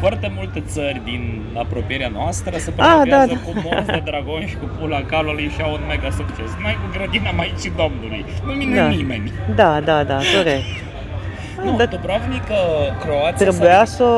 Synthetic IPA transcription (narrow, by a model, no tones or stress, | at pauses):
foart̪e̞mult̪e̞t̪sərʲd̪in | apɾo̞pieɾeanoast̪ɾəsəpad̪ad̪akumoed̪ɾaɡo̞nʃi̥kupulakalalujʃiawunme̞ɡasukt͡ʃe̞smajkuɡɾəd̪inamait͡ʃid̪omnulṵjnumind̪animḛnʲd̪ad̪ad̪ad̪o̞ɾesk | d̪apɾavnikəkɾo̞at̪t̪ɾebujasə